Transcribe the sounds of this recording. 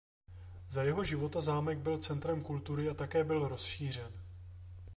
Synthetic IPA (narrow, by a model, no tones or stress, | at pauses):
zajɛɦo̞ʒɪvo̞t̪azaːmɛɡ̚bɪlt͡sɛnt̪ɾɛmkult̪uɾɪat̪akɛːbɪlɾo̞sʃiːr̝ɛn